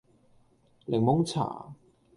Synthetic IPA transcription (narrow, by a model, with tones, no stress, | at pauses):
lɪ˨˩ŋmʊ˥ŋt͡sʰa̰ː˨˩˦